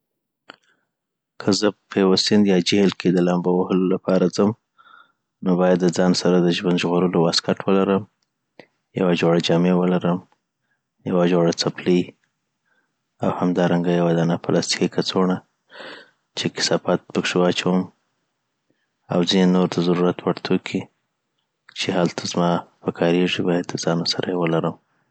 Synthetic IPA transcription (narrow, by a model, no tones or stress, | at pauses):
kʰəzəpʰəjawasɪnd̪jɑd͡ʒehlkʰed̪əlambawəhəlolapʰɑɾad͡zəm | nobɑjad̪ːəd͡zɑnsaɾad̪əʒwand̪ʒɣoɾəlowaskaʈwəlaɾəm | ja̰wad͡ʒoɽad͡ʒɑmewəlaɾəm | jawad͡ʒoɽat͡sapli | awhamd̪ɑɾaŋɡajawad̪anapalʔɑst̪i̥kikʰat͡soɳa | t͡ʃekɪ̥sɑfat̪̚pəkʂewɑt͡ʃawəm | a̰wzinenoɾt̪azaɾuɾat̪waɽt̪ʰokʰi | t͡ʃehalt̪ʰazmɑpəkʰɑɾeʐibɑjad̪ːəzɑnosaɾʔajewəlaɾəm